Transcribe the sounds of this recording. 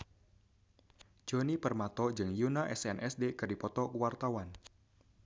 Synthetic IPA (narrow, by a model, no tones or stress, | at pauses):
d͡ʒɔnipərmat̪ɔd͡ʒɨŋjunaʔɛsɛnʔɛsdekɨrdipɔt̪ɔkuwart̪awan